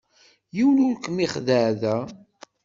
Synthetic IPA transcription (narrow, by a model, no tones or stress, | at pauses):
jiwlulkːəmiχðəʕðæ